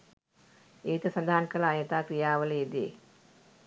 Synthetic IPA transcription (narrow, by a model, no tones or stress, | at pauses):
eːt̪ɐsɐnd̪ʱaankɐlaːjɐt̪aːkɾijaːʋəleed̪ḛː